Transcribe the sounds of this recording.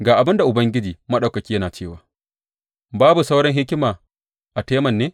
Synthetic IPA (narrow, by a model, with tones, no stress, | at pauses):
ɡaː˨ʔa˨bɪ˦nda˨ʔʊ˨bɐ˦ŋɡʲɪ˦d͡ʒiː˨mɐ˦ɗɐ˨kɐ˨kʲiː˦jɐ˦naː˨t͡ʃeː˦˨waː˨ | baː˦bu˨sa˦wɽɪ˦ŋɦɪ˦kʲɪ˦maː˨ | ʔa˨teː˦mɐ˨nːeː˦